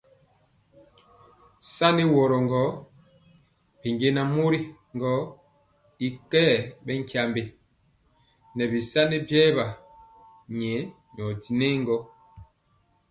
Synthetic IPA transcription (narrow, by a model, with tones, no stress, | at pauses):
sa˦ne˦wɔ˨ɾɔ˨ŋɡɔ˨˦ | pe˨ŋɡe˦na˨mo˦ɾi˦ŋɡɔ˦ | i˨kɛː˦˨bɛ˦ŋ˦kja˨mbe˨ | nɛ˨bi˨sa˦ne˦bjɛ˦ba˨ | ɲɛ˨˦ | ɲ˨ɔ˨ti˨ne˦ŋɡɔ˦